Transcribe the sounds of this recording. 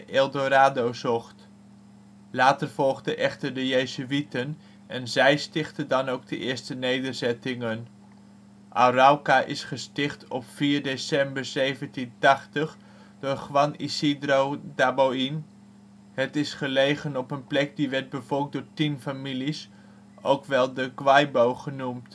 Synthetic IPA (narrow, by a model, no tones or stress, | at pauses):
ʔelˠdoɾaːdowzɔχt | laːtərv̥ɔlˠχdəʔɛχtəɹdəjejzuitən | ʔɛnzɛjstɪχtəndɑnowɡ̚dəʔɪːɹstənejdəɹzɛtɪŋən | ʔarawkaʔɪsχəstɪχtʰɔpfiːɹdesɛmbəɹzejvəntintɑχtəχ | d̥ʊːɹχʋɑnḭsidrowdaboin | ɦətɪsχəlejχənɔpənplɛk̚diʋɛɹt̚bəvɔɹk̚dʊːɹtinfamilis | owkʋɛlˠdəkʋɑjbowχənumt